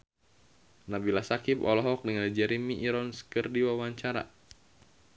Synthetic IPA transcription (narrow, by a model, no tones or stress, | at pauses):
nabilasakipɔ̰lɔɦɔk̚dəŋand͡ʒɛɾimiʔːɾɔnskərdiwawaɲt͡ʃaɾa̰